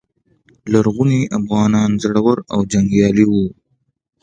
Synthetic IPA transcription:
laɾɣuniʔafɣɑːnɑːnzaɽawəɾawd͡ʒaŋɡjɑːliwu

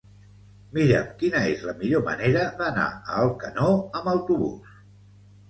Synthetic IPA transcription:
miɾə̰mkinəezləmiʎomə̰neɾəðəna̰əlˠkənoəməwt̪uβṵs

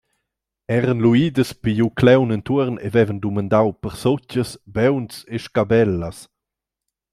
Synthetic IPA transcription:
ɛɾənluiːd̪əspijuklɛwnənt̪uəɾnḛvɛvənd̪umand̪awpəɾsot͡ʃəsbɛwnseʃkabɛlːɐs

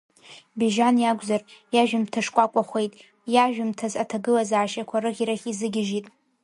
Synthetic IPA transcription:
beʒanjaɡʷʼzarjaʒᶣɪmtʰaʂkʷʼakʷʼaχʷe̞jtʼ | jaʒᶣʊmtʰazatʰaɡɨlazaːʃakʷʰaɾɨχʲiɾaχʲizɨɡʲɪʒitʼ

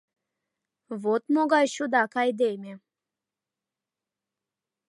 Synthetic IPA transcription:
vot̪moɡajɕud̪akajd̪ejme

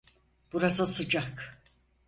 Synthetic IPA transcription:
b̥uɾazasɯd͡ʒak

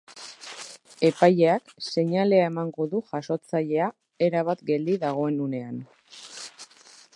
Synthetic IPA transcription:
e̞paje̞akse̞ɲale̞ae̞maŋɡo̞ðuʝaso̞t͡saʎe̞a | e̞ɾaβ̞at̪ɡe̞ld̪iðaɣ̞o̞e̞nune̞an

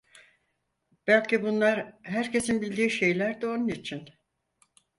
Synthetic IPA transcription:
b̥ælʲcibunlˠaɾɦæɾcʰe̞sinbilʲd̪iːʃe̞jlʲæɾd̪io̞nunit͡ʃʰin

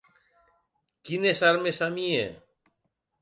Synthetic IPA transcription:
kinesaɾmesamiḛ

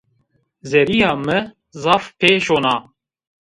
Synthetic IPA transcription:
zɛɾijɑːmɨ | zɑːfpʰeːʃoːnɑː

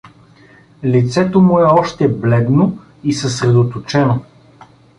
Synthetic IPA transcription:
lit̪sɛt̪omʊɛɔʃt̪ɛblɛd̪no | isəsɾɛd̪ot̪ot͡ʃɛno

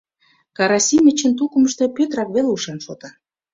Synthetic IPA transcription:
kɑɾɑsʲimʲet͡ɕə̆nt̪̬ukə̆məʃt̪e̽pøt̪ɾɑkβeleuʃɑnʃot̪ɑ

